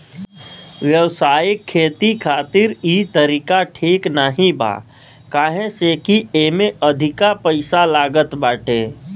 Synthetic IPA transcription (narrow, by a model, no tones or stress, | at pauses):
ʋjəwsaːɪkʰːeːt̪ikʰaːt̪ɪɾit̪əɾiːkaʈʰiːknəɦĩba̰ː | kaːɦẽsekiemẽəd̪ʱɪkapəɪsalaːɡət̪baːʈʰeː